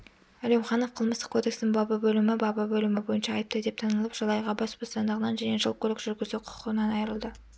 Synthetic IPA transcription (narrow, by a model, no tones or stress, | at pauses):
ælemχɑnofqʰəlˠməst̪ə̥kʰo̞d̪e̞ksɪnɪŋbɑbɑbɵlɪmɪbɑbɑbɵlɪmɪbo̞jənʃɑːjəp̚t̪əd̪e̞p̚t̪ʰɑnəlˠəpʒ̥ɑlˠɑjʁɑbɑsbost̪ɑnd̪əʁənɑnʒæne̞ʒəlˠkʲʰɵlɪkʒʏɾɡʲɪzd̪uqʰʊ̥qəənɑnɑjəɾəlˠd̪ə